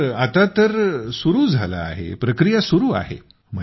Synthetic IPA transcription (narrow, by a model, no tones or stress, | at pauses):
at̪at̪əɾsuɾuːd͡zʱala̰ːɦḛpɾəkɾijasuɾuːa̰ɦḛ | m̤ə